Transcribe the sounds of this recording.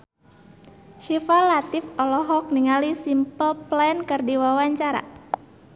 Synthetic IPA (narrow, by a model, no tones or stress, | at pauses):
ʃifalat̪ifɔlɔɦɔk̚niŋalisimpəlplaɛnkɨrdiwawaɲt͡ʃaɾa̰